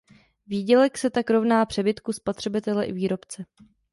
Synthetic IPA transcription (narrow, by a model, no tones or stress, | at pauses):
viːɟɛlɛksɛt̪akɾo̞vnaːpr̝̥ɛbɪt̪kuspot̪r̥ɛbɪt̪ɛlɛʔɪviːɾo̞pt͡sɛ